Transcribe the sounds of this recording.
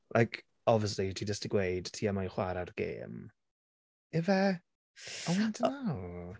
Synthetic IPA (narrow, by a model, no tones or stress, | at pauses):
lʔajkʰ | ɔviəs̬litʰid͡ʒəstiɡwejd̥tʰiːamajχwaɾarɡ̥ḛːm | ɛvɛ | ɔadəna